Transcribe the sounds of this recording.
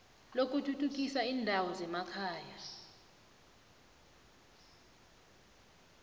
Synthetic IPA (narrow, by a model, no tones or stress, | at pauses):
lok̬ʼutʰutʰuk̬ʼisaiːndʱawɔzɛmakʰaːja